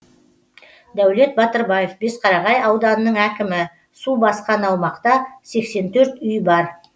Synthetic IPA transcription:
d̪æwle̞t̪̚bɑt̪əɾbɑje̞fbe̞sqʰɑɾɑʁɑjɑwd̪ɑnənəɴækʲɪmɪ | subɑsqɑnɑwmɑqt̪ɑse̞kse̞nt̪ʰɵɾt̪ʏjbɑɾ

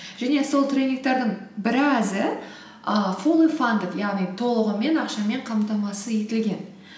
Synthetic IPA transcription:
ʒ̥æne̞so̞lˠt̪rʲe̞nʲik̚t̪ɑɾd̪əɴbɪɾɪæzɪ | əfolˠifand̪əkjɑʁnijt̪ʰo̞lˠəʁəme̞nɑqʃɑme̞ɴqʰɑmt̪ɑmɑsəje̞t̪ɪlɡʲe̞n

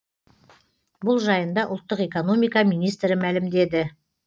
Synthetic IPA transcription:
bʊlˠʒɑjənd̪ɑʔʊlˠt̪ːəqe̞ko̞no̞mijkɑmijnijst̪ɾɪmælɪmd̪e̞d̪ɪ

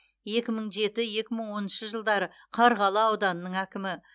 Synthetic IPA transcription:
je̞kʲɪməɴʒe̞t̪ɪje̞kʲɪməɴwo̞nənʃəʒəlˠd̪ɑɾə | qʰɑɾʁɑlˠɑɑwd̪ɑnənːəɴækʲɪmɪ

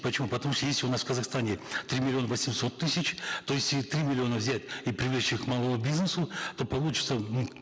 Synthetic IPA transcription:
pət͡ɕɪmupət̪ɐmuʂt̪ojesʲlʲɪʊnasfkəzaxst̪anʲɪt̪ɾʲimʲɪlʲɪo̞nəvəsʲɪmso̞t̪ːɨsʲɪt͡ɕt̪ojesʲlʲɪt̪ɾʲimʲɪlʲɪo̞nəvzʲætʲipɾʲɪvlʲet͡ɕɪxkmalˠomʊbʲiznəsʊt̪o̞pɐlˠut͡ɕɪ̥t̪sənu

